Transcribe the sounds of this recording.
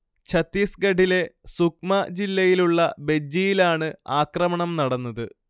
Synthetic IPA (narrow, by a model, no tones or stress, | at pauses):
t͡ɕʰɐt̪ːiːsɡɐɖʱile̞suk̚mɐd͡ʑilːɐjiluɭːɐbe̞d͡ʑijilaːɳɨaːkrɐmɐɳɐmnɐɽɐnːɐðɨ